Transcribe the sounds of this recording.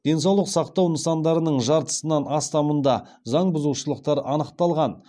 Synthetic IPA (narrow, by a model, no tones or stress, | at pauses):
d̪̥e̞ns̬ɑwlˠəqsɑqt̪ɑwnəsɑnd̪ɑɾənəɴʒɑɾt̪ə̥sənɑnɑst̪ɑmənd̪ɑ | zɑɴbʊzuwʃəlˠəqt̪ɑɾʔɑnəqt̪ɑlˠʁɑn